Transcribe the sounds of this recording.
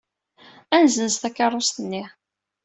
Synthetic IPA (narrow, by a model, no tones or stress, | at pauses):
ænzənst̪ækːɑrˤːost̪ənːi